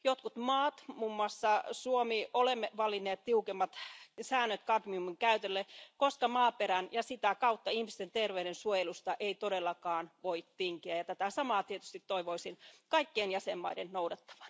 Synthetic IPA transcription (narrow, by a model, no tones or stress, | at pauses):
jot̪kut̪mɑːt̪muːmːɑsːɑsuomiolemːeʋɑlːinːeːt̪t̪iukemːɑt̪sæːnːøt̪kɑdmiumiŋkæyt̪elːekoskɑmɑːpeɾænjɑsit̪ækɑut̪ːɑihmist̪ent̪erʋeyɾensuojelust̪ɑʔeit̪odelːɑkɑːnʋoit̪tiŋkiæjɑt̪æt̪æsɑmɑːt̪iet̪y̥st̪it̪toiʋoisinkɑikːeːnjæsemːɑ̰idennoudɑt̪ːɑ̥ʋɑ̥n